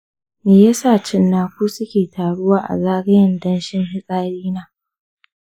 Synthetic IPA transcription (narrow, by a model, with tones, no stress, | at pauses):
meː˨ja˦saː˦˨t͡ʃɪ˦nːaː˨kʷuː˦sʊ˦kʲeː˨tʰaː˨ɽʊ˦waː˨ʔa̰˨zaː˦ɡɐ˦jɪ˨ndɐ˦nʃɪ˦ŋɦɪ˦sʼaː˦ɽiː˦naː˦